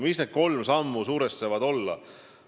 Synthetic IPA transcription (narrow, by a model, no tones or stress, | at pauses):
misne̞d̪̥̚ko̞lmsɑmːusuːɾest̪sevɑd̪o̞lːɑ̰